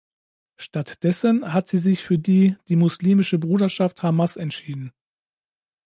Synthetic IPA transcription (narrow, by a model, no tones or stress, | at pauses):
ʃtatd̥ɛsənhatz̥iːzɪçfyːɐdiːd̥iːmʊsliːmɪʃəbʁuːɾɐʃafthamasɛntʃiːdn̩